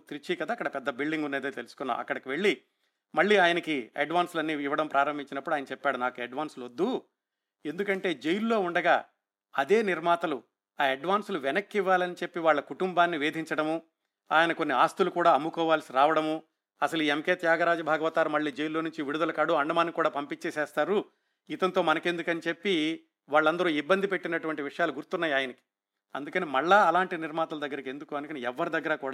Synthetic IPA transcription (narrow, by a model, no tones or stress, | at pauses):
t̪iɾit͡ʃiːkɐd̪aːkːɐɽɐpɛd̪ːɐbilɖiŋɡunːeːd̪eːt̪elusu̥kunːa̰ːɐ̰kːɐɽɐkiʋe̞ɭːi | mɐɭːiːaːjɐnɐkiɐ̰ɖʋaːnslɐnːiːʋːɐɽɐmpɾaːɾɐmbʱiɲt͡ʃinɐpːuɽaːjɐnɐt͡ʃɛpːaːɽunaːkueɖʋaːnslod̪ːu | end̪ukɐɳʈe̞ːd͡ʒe̞jilːo̞ːuɳɖɐɡaː | ɐd̪e̞ːniɾmaːt̪ɐlu | aːɐɖʋaːnsluʋɛnɐkːiʋːaːlɐnit͡ʃepːiʋaːɭːɐkuʈumbaːnːiʋeːd̪ʱiɲt͡ʃɐɽɐmu | a̰ːjɐnɐko̞nːiaːst̪ulukuːɽaːɐmːukɔːʋaːlsiɾaːʋɐɽɐmu | ɐsɐluiːemkeːt̪jaːɡɐɾaːd͡ʒɐbʱaːɡɐʋɐt̪aːɾumɐɭːiːd͡ʒejlːo̞ːnuɲt͡ʃiʋiɽud̪ɐlɐkɐɽuɐɳɖɐmaːnːikuːɽaːpɐmpit͡ʃːesɛːst̪aːɾu | it̪ɐnt̪o̞ːmɐnɐke̞nd̪ukɐnit͡ʃe̞pːi | ʋaːɭːɐnd̪ɐɾuːibːɐnd̪ʱipe̞ʈːinɐʈuʋɐɳʈiʋiʂɐjaːluɡuɾt̪unːaːjaːjɐnɐki̥ | ɐ̰nd̪ukɐnimɐɭːaːlaːɳʈiniɾmaːt̪ɐlɐd̪ɐɡːɐɾike̞nd̪ukuɐnkɐniɛʋːɐɾid̪ɐɡːɐɾɐkuːɽaː